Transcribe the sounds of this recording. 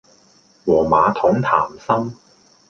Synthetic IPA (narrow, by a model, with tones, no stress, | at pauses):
wɔː˨˩maː˨˧t̪ʰʊ˨˥ŋt̪ʰa̰ː˨˩msɐ˥m